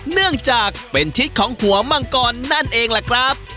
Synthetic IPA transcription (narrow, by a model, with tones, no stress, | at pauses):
nɯ˥˩əŋt͡ɕaː˨˩k̚pe˧nt͡ɕʰi˦˥t̪̚kʰɔː˩˦ŋhu˨˩˦ɐma˧ŋkɔː˧nːa˥˩nʔeː˧ŋla˨˩kʰɾa˦˥p̚